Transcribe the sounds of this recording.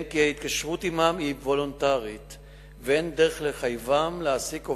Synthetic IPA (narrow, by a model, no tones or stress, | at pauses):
nkihait̪kaʃʁutimamivo̞lontaʁit̪ | veend̪eʁeχleχajvamleasiko